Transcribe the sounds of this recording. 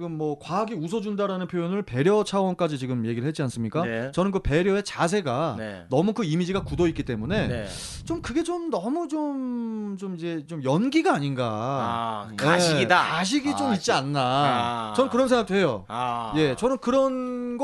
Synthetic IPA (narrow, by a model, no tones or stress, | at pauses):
ɡɯmːʌkwaaɡiusʰʌd͡ʑundaɾanɯnpʰjojonɯɭpe̞ɾjʌt͡ɕʰawʌnk͈ad͡ʑit͡ɕiɡɯmje̞ɡiɾɯɭhɦet͡ɕ͈ians͈ɯmɲik͈at͡ɕʌnɯnk̬ɯpe̞ɾjʌe̞t͡ɕas̬ʰe̞ɡannʌmukɯimid͡ʑiɡakudoit̚k͈it͈e̞mune̞n | t͡ɕomkɯɡe̞t͡ɕomnʌmut͡ɕomt͡ɕomid͡ʑe̞t͡ɕomjʌnɡiɡaːɲinɡa̰ | aeiidakaɕ̬ʰiɡit͡ɕomit̚t͡ɕ͈ianːat͡ɕʌnɯnkɯɾʌns̬ʰeŋɡaktʰwe̞jo̰je̞t͡ɕʌnɯnkɯɾʌnɡʌ